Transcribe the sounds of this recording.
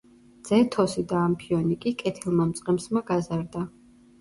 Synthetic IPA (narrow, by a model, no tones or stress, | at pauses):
d̪z̥ɛt̪ʰɔsid̪aːmpʰiɔnikʼikʼɛt̪ʰɛlˠmamt̪sʼqʼɛmsmaɡazaɾd̪a